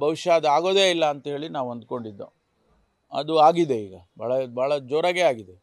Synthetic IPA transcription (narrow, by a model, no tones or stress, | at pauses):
bʱɐʋiʂaːd̪aːɡo̞ːd̪eːilːɐːnt̪ɐɦe̞ːɭinaːʋɐnd̪ko̞ɳɖid̪ːo̰ | ɐ̰d̪uaːɡid̪eiːɡɐbʱaːɭɐbʱaːɭɐd͡ʒoːɾɐɡeaːɡid̪e